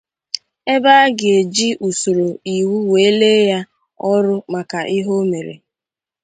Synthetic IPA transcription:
e˦ba˦ɡe˨d͡ʒi˦ʔu˨so˨ɾo˨i˨wu˦we˨e˦le˦ja˦ | ɔ˦ɾʊ˦ma˨ka˨ʔi˦ɦo˦me˨ɾḛ˨

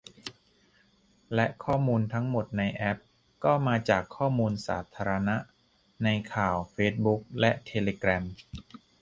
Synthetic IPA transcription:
lɛ˦˥ʔkʰɔː˥˩muː˧nt̪ʰa˦˥ŋmo˨˩t̪̚na˧jʔɛ˦˥p̚ | kɔː˥˩maː˧t͡ɕaː˨˩kʰːɔː˥˩muː˧nsa̰ː˩˦t̪ʰaː˧ɾa˧na˦˥ʔ | na˧jkʰaː˨˩wfeː˦˥t̪̚bu˦˥k̚lɛ˦˥ʔt̪ʰe˧leː˧kɾɛ˧m

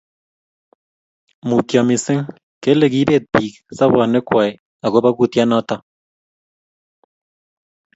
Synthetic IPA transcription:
mu˨tjɔ˨mɪ˨sɪ˦ŋ | ke˦le˨ki˦be˦˨t̪̚piː˨ksa˦βa˨nɪ˦kwa˨j | a˨ɣo˦ba˦ku˦˨tja˦nɔ˦tɔ˦

